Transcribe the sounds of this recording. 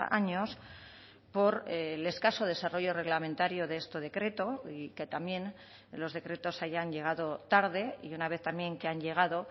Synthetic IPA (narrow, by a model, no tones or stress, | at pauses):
a̰ɲo̞s | po̞ɾle̞skaso̞ð̞e̞saro̞ʝo̞re̞ɣlamẽnt̪aɾjoðeest̪oð̞e̞kɾe̞t̪o̞ike̞t̪amjẽ̞n | lo̞zðe̞kɾe̞t̪o̞saʝanʎe̞ɣ̞aðo̞t̪aɾðe̞ḭunaβ̞eθt̪amje̞ŋkeaɲʎe̞ɣ̞aðo̞